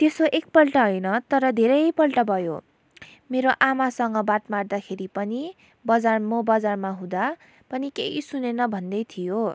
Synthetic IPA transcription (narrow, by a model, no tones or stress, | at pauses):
t̪esoʔek̚pʌlʈʌɦʌjnʌt̪ʌɾʌd̪ʱeɾʌjpʌlʈʌbʱʌjo̰ | meɾoʔamasʌŋɡʌbaʈmard̪akʰeɾipʌni | bʌd͡zarmʌbʌd͡zarmaɦũd̪a | pʌnikeɦisunenʌbʱʌnd̪ʌjt̪ʰijo